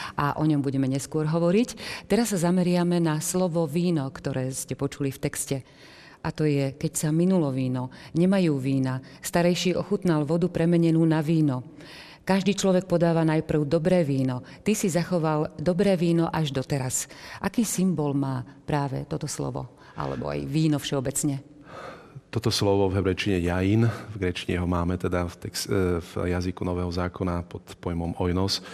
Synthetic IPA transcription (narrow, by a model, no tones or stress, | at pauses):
ʔaʔɔɲɔmbuɟɛmɛɲɛskʊɔɾɦɔʋɔɾict̪ɛɾasːazamɛɾɪamɛnaslɔʋɔʋiːnɔkt̪ɔɾɛːscɛpɔt͡ʃulift̪ɛkscɛ | ʔat̪ɔjɛkɛcsaminulɔʋiːnɔɲɛmajuːʋiːnast̪aɾɛjʃiːʔɔxut̪nalʋɔd̪upɾɛmɛɲɛnuːnaʋiːnɔ | kaʒd̪iːt͡ʃlɔʋɛk̚pɔd̪aːʋanajpr̩ʊd̪ɔbɾɛːʋiːnɔ | t̪isizaxɔʋald̪ɔbɾɛːʋiːnɔʔaʒd̪ɔt̪ɛɾasʔakiːsimbɔlmaːpɾaːʋɛ̰t̪ɔt̪ɔslɔ̰ʋɔ̰ | ʔa̰lɛ̰bɔ̰a̰jʋiːnɔfʃɛɔbɛt͡sɲɛ | t̪ɔt̪ɔslɔʋɔvɦɛbɾɛjt͡ʃiɲɛjajinvɡɾɛt͡ʃiɲɛ̰ɦɔmaːmɛt̪ɛd̪aft̪ɛksvjazikunɔʋɛːɦɔzaːkɔnapɔt̪pɔjmɔmɔjnɔs